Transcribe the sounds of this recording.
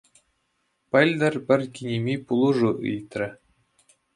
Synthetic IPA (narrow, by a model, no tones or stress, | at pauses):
pɘ̆lʲd̪ɘ̆rʲpʲɘ̆rʲkʲinʲemʲipulˠuʐuʔɯ̰jt̪ʲrʲɘ̆